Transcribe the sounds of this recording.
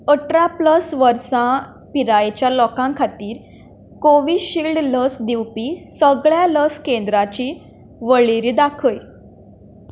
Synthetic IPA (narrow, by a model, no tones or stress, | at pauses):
əʈɾapləsʋəɾsã | piɾajet͡ɕjalɔkãŋkʰat̪iːɾ | koʋiːɕiːlɖləsd̪iwpisəɡɭjaləskend̪ɾat͡ɕiː | ʋəɭiɾiːd̪akʰəj